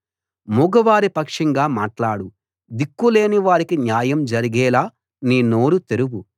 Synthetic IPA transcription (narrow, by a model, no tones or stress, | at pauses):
muɡɐʋaːɾipɐkʂɐŋɡaːmaːʈlaːɽu | d̪ikːule̞ːniʋaːɾikinjaːjɐmd͡ʒɐɾiɡɛːlaː | niːno̞ːɾut̪eɾuɡu